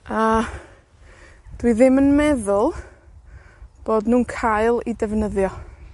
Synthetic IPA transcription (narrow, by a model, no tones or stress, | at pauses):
a | d̥wiðɪmənmɛðʊlˠ | b̥oːdnuːnkʰaɨlˠidɛvnəðjɔ